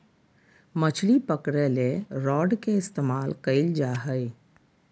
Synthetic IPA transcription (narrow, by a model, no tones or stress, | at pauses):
mət͡ʃʰlipəkɾeleɾɔːɖkeɪst̪eːmaːlkəɪld͡ʒaːɦəɪ